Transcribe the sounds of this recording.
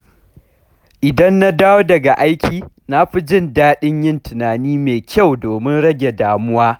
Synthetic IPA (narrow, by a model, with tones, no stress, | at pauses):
ʔɪ˨dɐ˦nːa˦daː˦woː˦dɐ˨ɡa˨ʔa˦jkʲʰiː˨ | na˦ɸi˦d͡ʒɪ˦ndaː˦ɗɪ˦ɲjɪ˦ntɪ˨naː˨niː˦meː˨kʲa˦˨wdoː˨mɪ˦nɽɐ˦ɡʲe˨daː˨mʊ˦waː˦